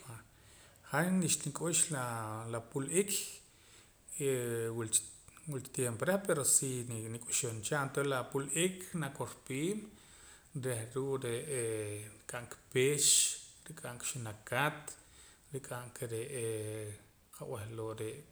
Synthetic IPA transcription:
a | χaniʃnikʼuʃlalapulʔikʰ | ewil | wilkt̪jempoɾehpeɾosinikʼuʃont͡ʃant̪olapulʔikʰnakoɾpiːm | ɾehɾuʔɾeʔekʼaʔŋkpeʃɾikʼaŋkʃunakat̪ | ɾikʼaŋkʰeɾeʔe | qaw̰ehloʔɾeʔ

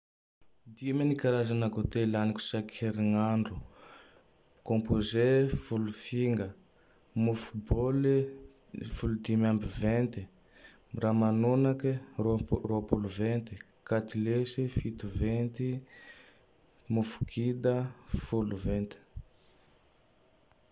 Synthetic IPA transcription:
d̪imanikaɾazanakot̪elaniku̥sakʰeɾiŋaɳɖ͡ʐu | kõmpozefulufiŋɡə | mufu̥bol | fulud̪imambivent̪i | ramanonaki | roapuluvent̪i̥ | kat̪ilesifit̪uvent̪i | mufu̥kʰid̪əfuluvent̪i̥

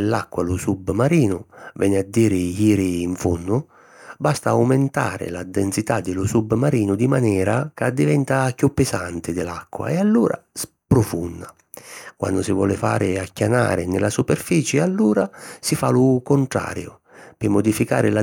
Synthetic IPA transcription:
lːakːwalʊsubmaɾiːnʊvɛnɪad̪ːiːɾɪjiːɾɪːɱfunːʊ | bast̪aːwmɪnt̪a̰ːɾɪ̰lad̪ːɛnsit̪ad̪ːɪlʊsubmaɾiːnʊd̪imanɛːɾakad̪ivɛnt̪akːjupːɪszant̪ɪd̪ɪla̰kːwa̰ɛalːuːɾa̰s | pɾʊfunːa | kwʔa̰nːd̪ʊsivwɔ̰ːlɪfa̰ːɾɪakːana̰ːɾɪnɪlasupɛrfiːt͡ʃɪalːuːɾasifalʊkʊnt̪ɾa̰ːɾjʊ | pɪmːʊd̪ifika̰ːɾɪla

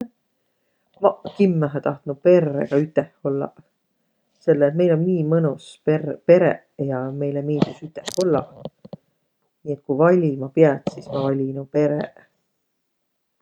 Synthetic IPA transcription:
mɑkimːæɦæt̪ɑht̪nupe̞rːḛɡ̥ɑyt̪ːˑeho̞lːɑ̰ | se̞lːeːt̪̚me̞jlo̞nmiːmɤnusppe̞ɾe | jɑme̞jlemiːd̪̥usyt̪ːˑeho̞lːɑ̰ | niːe̞t̪̚kuvɑlʲimɑpiɑt̪sismɑvɑlʲinupe̞ɾḛ

